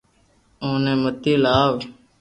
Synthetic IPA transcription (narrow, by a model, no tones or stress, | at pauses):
oːnẽːmət̪iːlaːʋ